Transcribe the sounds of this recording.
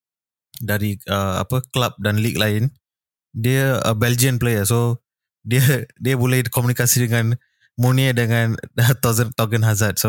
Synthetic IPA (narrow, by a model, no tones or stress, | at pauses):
daɾiəa̰pəklap̚danlik̚laɪn | diəə̰bɛld͡ʒiə̃nplejəso | diədiəbulɛhdikɔmjunikasidəŋãn | moniədəŋãnət̪awzənt̪ɔɡənɦazat̪̚so